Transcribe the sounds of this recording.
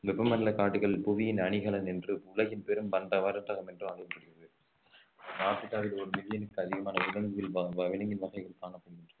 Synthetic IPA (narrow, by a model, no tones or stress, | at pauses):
ʋɛpːɐmɐnɐlɐkaːʈːɯɣɐɭɪlpʊʋɪjɪnɐɳɪɣɐɭɐnɛndrɯʊɭɐɣɪnpeɾɯmʋɐɳɖɐʋɐɾɐt̪ːɐɣɐmɛndrɯmɐɣɐkɐpːɐɽɪɣɪɾɐðɯ | naːʈ̪ːɯtːaːʋɪlɔɾɯmɪðɪjɐnɯkːɯɐðɪɣɐmaːnɐʊlɐŋɡɯʋɪlʋɐʋɪlɐŋɡɪnʋɐɣɐɪɣɐɭkaːnɐpːʊnɪndrɐ